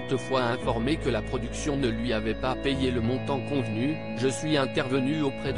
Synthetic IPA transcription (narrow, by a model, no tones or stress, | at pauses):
t̪əfwaɛ̃fɔʁmekəlapχɔd̪yksjɔ̃nəlɥiavɛpapejeləmɔ̃t̪ɑ̃kɔ̃vny | ʒəsɥiɛ̃t̪ɛʁvənyopχɛd̪